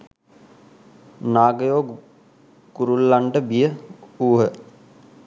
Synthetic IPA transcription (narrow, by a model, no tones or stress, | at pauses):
naːɡəjoː | ɡ̥uɾulːaɳɖəbijəuːɦə